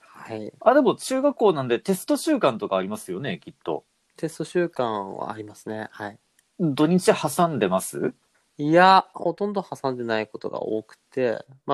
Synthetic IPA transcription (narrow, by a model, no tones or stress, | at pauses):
haiad̪e̞mo̞t͡ɕɨːɡakːo̞ːnãnd̪e̞t̪e̞sɨ̥t̪o̞ɕɨːkãnt̪o̞kaːɾʲimasɨjo̞ne̞kʲit̪ːo̞̰ | t̪e̞sɨ̥t̪o̞ɕɨːkãβa̰ːɾʲimasɨne̞hai | d̪o̞ɲ̟it͡ɕihasãnd̪e̞masɨ̰ | iaho̞t̪õ̞nd̪o̞hasãnd̪e̞naiko̞t̪o̞̰ɡa̰o̰ːkɯ̟̥t̪e̞̰ | ma